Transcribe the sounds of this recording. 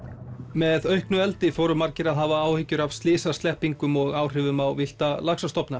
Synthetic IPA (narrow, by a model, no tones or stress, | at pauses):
mɛðœɥhknʏɛlt̪ɪfoːwɾʏmaɾcɪɾaðɦaːvaaːwhɪcːʏɾav̥st̪lɪːsast̪ɛhpiŋkʏmɔɣaːwr̥ɪːvʏmawvɪl̥t̪alaksast̪ɔpna